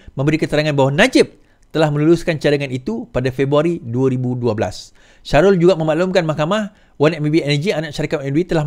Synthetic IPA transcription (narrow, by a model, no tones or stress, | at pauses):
mə̃mbəɾikət̪əɾaŋanbaɦwanad͡ʒɪp̚ | t̪əlahmə̃nuluskant͡ʃadaŋanit̪upadafebɾuaɾiduaɾibuduabəla̰s | ʃaɾʊld͡ʒuɡamə̃malumkanmahkamah | wanaʔmibiɛnəd͡ʒianaʔʃaɾikaʔɛnwit̪əla